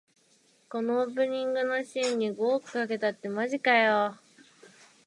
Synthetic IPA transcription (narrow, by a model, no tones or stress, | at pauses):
ko̞nooːp̬ɯ̟̃ɲ̟ĩŋɡɯ̟no̞ɕiːɲ̟ːiɡo̞ːkɯ̟̥kake̞t̪at̪ːe̞maʑikajo